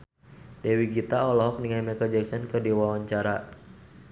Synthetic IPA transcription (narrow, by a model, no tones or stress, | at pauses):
dɛwiɡit̪aɔlɔɦɔk̚niŋajmɛkəd͡ʒɛksɔnkɨrdiwawaɲt͡ʃaɾa